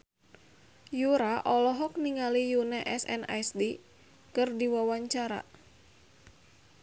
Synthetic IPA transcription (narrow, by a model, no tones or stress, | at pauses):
juɾaʔɔlɔɦɔk̚niŋalijunɛʔɛsɛ̰na̰jsdi | kɨrdiwawaɲt͡ʃaɾa̰